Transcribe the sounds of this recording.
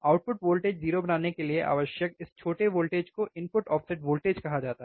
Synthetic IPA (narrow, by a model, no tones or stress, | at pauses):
aːʊʈ̚pʊʈʋoːlʈeːd͡ʒziːɾobɐnaːnekelieʔa̰ːʋəʃjəkɪst͡ʃʰoːʈeʋoːlʈeːd͡ʒkoʔɪ̃npʊʈɔːfseʈʋoːlʈeːd͡ʒkɐɦad͡ʒaːt̪aɦɛ